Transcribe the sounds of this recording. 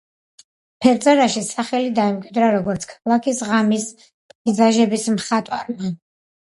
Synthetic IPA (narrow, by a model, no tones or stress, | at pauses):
pʰɛɾt̪sʼɛɾaʃisaχɛlid̪aɛmkʼwid̪ɾaɾɔɡɔɾt̪sʰkʰalˠakʰisʁamis | pʼizaʒɛbismχat̪ʼwaɾma